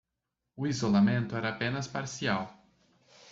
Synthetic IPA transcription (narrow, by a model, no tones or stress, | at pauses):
ʊizolamẽnt̪ʊɛɾɐːpẽnɐspaɾsiaw